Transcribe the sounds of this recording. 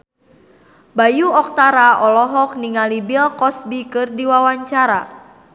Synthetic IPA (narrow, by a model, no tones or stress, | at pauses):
bajuɔk̚t̪aɾaʔɔlɔɦɔk̚niŋalibilkɔsbikɨrdiwawaɲt͡ʃaɾa